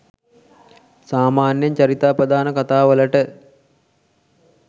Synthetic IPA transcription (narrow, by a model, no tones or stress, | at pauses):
saːmaːnjəɲt͡ɕɐɾit̪aːpɾəd̪aːnəkat̪aːʋələʈə